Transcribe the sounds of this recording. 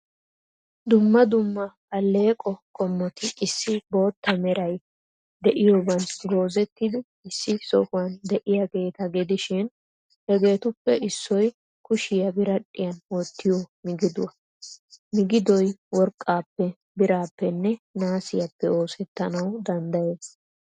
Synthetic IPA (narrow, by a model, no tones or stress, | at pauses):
d̪ʊmːɐd̪ʊmːɐ | ɐlːe̞ːkʼɔkʼɔmːɔt̪ɪʔɪsːɪbo̞ːt̪ːɐmɛɾɐj | d̪ɛʔɪjoːbɐnɡo̞ːzɛt̪ːɪd̪ɪ | ɪsːɪsɔkʊwɐnd̪ɛʔɪjɐɡe̞ːt̪ɐɡɛd̪ɪʃɪn | hɛɡe̞ːt̪ʊpːɛɪsːɔj | kʊʃɪjɐbɪɾɐᶑʼːɪjɐnwɔt̪ːɪjomɪɡɪd̪ʊwɐ | mɪɡɪd̪ɔjwɔɾkʼːaːpːɛ | bɪɾaːpːɛnːɛnaːsɪjɐpːɛo̞ːsɛt̪ːɐnɐwd̪ɐnd̪ɐjeːs